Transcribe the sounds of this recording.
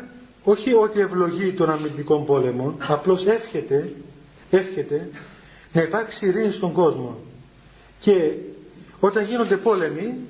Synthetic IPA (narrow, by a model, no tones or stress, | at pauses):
o̞çio̞t̪ie̞vlo̞ʝit̪o̞nɐmind̪iko̞mbo̞le̞mo̞nɐplo̞sefçet̪e | e̞fçe̞t̪e̞ | nɐipɐɾksiɾinst̪o̞ŋɡo̞zmo̞ | ce̞ | o̞t̪ɐɲʝino̞nd̪e̞po̞le̞mi